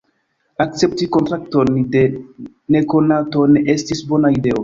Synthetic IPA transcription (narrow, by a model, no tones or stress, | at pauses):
akt͡se̞p̚tiko̞ntɾak̚to̞nde̞ | ne̞ko̞nato̞ne̞ʔe̞stisbo̞naide̞o